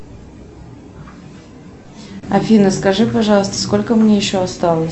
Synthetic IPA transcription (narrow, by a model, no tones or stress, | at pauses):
ɐfʲinəskɐʐɨpɐʐɑlˠəst̪əsko̞lʲkəmnʲejɪɕːoɐst̪ɑlˠəsʲ